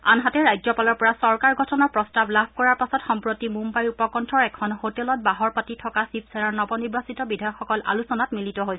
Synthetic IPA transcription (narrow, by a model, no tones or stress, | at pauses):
a̰nɦatɛɹajd͡ʒɔpalɔɹpɔɹasɔɹkaɹɡʱɔtʰɔnaɹpɹɔstablabʰʱkɔɹaɹpasɔtxɔmpɹotimumbajupɔkɔntʰɔɹɛkʰɔnhotɛlɔt̚baɦɔɹpatitʰɔkasipsɛnaɹnɔbɔniɹbasitɔbidʱajɔkxɔkɔlʔa̰lusɔnatmilitɔɦojsɛ